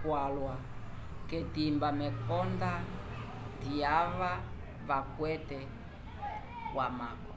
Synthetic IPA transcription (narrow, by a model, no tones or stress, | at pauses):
kwalwa | kɛtimbamɛkɔnda | tiava | βakwɛtɛ | kwamakɔ